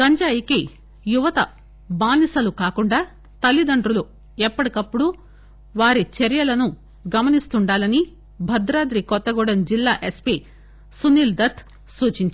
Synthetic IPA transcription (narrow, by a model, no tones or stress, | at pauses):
ɡɐɲd͡ʒaːjiki | juʋɐt̪ɐ | baːnisɐlukaːkuɳɖaː | t̪ɐlːid̪ɐɳɖɾulu | ɛpːɐɽikɐpːuɽu | ʋaːɾit͡ʃeɾjɐlɐnu | ɡɐmɐnist̪uɳɖaːlɐni | bʱɐd̪ɾaːd̪ɾikɔt̪ːɐɡuːɽɐnd͡ʒilːaːʔespi | suniːld̪ɐt̪ʰ | suːt͡ʃiɲt͡ʃ